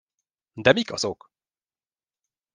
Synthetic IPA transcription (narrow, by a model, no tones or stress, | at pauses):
d̪ɛmikɒzok